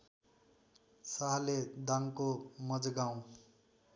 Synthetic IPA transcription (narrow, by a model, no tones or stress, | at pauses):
saɦled̪aŋkomʌd͡zɡaw̃